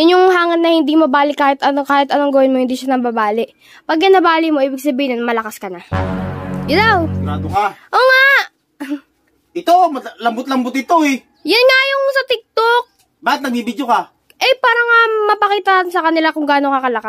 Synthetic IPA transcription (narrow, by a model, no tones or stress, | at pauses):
jʊnjʊŋɦaːŋɐnːɐhɪnd̪imɐbaːlɪkːaːhɪt̪ʔɐnokaːhɪt̪ɐnoŋɡɐwɪnmohɪnd̪iːʃanɐbabaːlɪʔ | pɐɡ̚ːɐnɐbaːlɪmo̞ʔiːbɪɡ̚sɐbiːhɪnmɐlɐkaskɐna | jɪd̪awnaːt̪okaʔoːŋa | ɪt̪omɐlɐmbʊt̪lɐmbʊt̪ɪt̪oɛ | jɐnŋajʊŋsɐt̪ɪk̚t̪ok̚ | baːkɪt̪̚nɐɡ̚mibɪd͡ʒoka | ʔɛpaːɾɐŋamɐpɐkiːt̪ɐnaːt̪ɪnsɐkɐnɪlakʊŋɡaːno̞kɐkɐlɐka